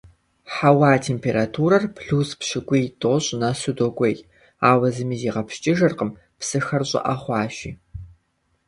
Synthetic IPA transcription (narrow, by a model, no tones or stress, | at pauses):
ħawaːtʰeːmpʰeːɾatʰuːɾɐrpʰɬuːspɕɪɡʷʊjtʼoːɕʼnɐsudoɡʷʼɐjtʼ | aːwɐzɨmiːziːʁɐpt͡ʃʼɪʒɐrqəm | psɨxɐrɕʼɪ̰ʔɐχʷɑːʃḭː